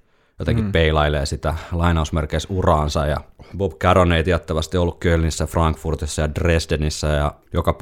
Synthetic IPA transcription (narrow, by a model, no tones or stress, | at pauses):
jot̪eŋkippeilɑileːsit̪ælɑinɑusmerkeisurɑːnsɑjjɑ̰bobkæroneit̪iɑt̪ːæʋɑst̪iolːukkølnisːæfrɑŋkfurt̪isːɑjɑdresdenisːæjɑ | jokɑp